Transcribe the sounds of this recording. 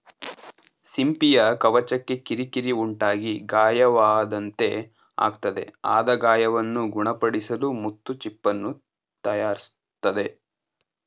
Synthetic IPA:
simpijɐkɐʋɐt͡ʃɐkːe̞kiɾikiɾiuɳʈaːɡiɡaːjɐʋaːd̪ɐnt̪e̞ | a̰ːɡ̚t̪ɐd̪e̞̰a̰ːd̪ɐɡaːjɐʋɐnːuɡuɳɐpɐɽisɐlumut̪ːut͡ʃipːɐnːu | t̪ɐjaːɾis | t̪ːɐd̪e̞

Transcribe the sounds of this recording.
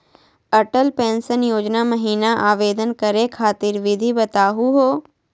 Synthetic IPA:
əʈəlpẽːnsənjoːd͡ʒnaməɦiːnaʔaːʋeːd̪ənkəɾekʰaːt̪ɪɾʋɪd̪ʱibɐt̪aːɦuɦoː

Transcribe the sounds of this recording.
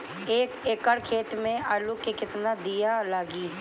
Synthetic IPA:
eːkekəɽkʰeːt̪mẽalukekɪt̪nad̪ijalaːɡiː

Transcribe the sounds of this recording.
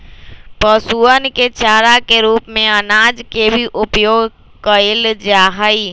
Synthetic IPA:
pəsuənket͡ʃaːɾakeɾuːpmẽənaːd͡ʒkebʱiʔʊpjoːɡ | kəɪld͡ʒaːɦəi

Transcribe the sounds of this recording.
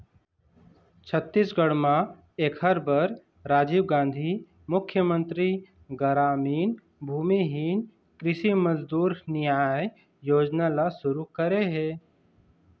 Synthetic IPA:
t͡ʃʰət̪ːisɡəɽmã | eːkɦəɾbəɾ | ɾaːd͡ʒiːwɡãːnd̪ʱi | mʊkʰːjəmə̃nt̪ɾi | ɡəɾaːmiːn | bʱuːmiɦiːn | kɾɪʃiməzd̪uːɾnɪjaːj | joːd͡ʒnalasʊɾukəɾeɦɛː

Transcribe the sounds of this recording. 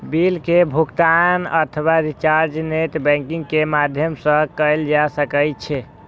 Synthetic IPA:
bilkebʱukt̪anə̰t̪ʰəwaɾit͡ʃaɾd͡ʒnet̪bɛ̃ŋkĩŋɡkemad̪ʱjəmsə̃kəɪld͡ʒasəkəjt͡ʃʰɛ

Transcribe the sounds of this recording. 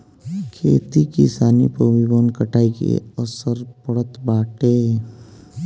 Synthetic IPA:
kʰeːt̪ikisaːnḭpəʋibənkəʈʰaːikḛəsəɾpəɽət̪baːʈeː

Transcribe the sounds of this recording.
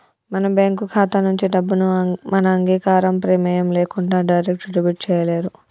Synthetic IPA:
mɐnɐbaːŋkukʰaːt̪ɐnuɲt͡ʃiɖɐbːunumɐnɐːŋɡiːkaːɾɐmpɾɛːmɐjɐmleːkuɳɖaːɖɐjɾek̚ʈɖibiʈ̚t͡ʃɛːjɐleːɾu

